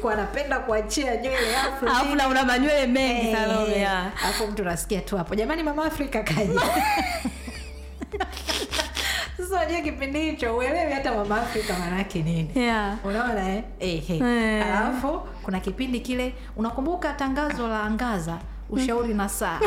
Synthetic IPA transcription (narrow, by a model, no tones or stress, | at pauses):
kuanapɛndakuat͡ʃiaɲwɛlɛafuaaunaunamaɲwɛlɛmɛaɔaalafum̩tuanasi̥kiatuhapɔʄamanimamaːfɾikakaʄi | sasaaʄuak̬ipindihit͡ʃɔuɛlɛwiatamamaːfɾikamanajakɛninijaunaɔnaɛ | ɛhɛhalafu | kunakipindikilɛ | unakumbukataŋɡazɔlaːŋɡaza | uʃauɾinasaː